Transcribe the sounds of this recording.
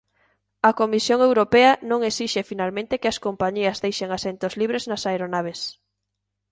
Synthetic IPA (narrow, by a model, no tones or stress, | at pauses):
ɐkomisjoŋewɾopeɐnõŋesiʃefinalmẽnt̪ekeɐskompaɲiɐzðejʃeŋasent̪ozliβɾeznɐsaeɾonaβ̞es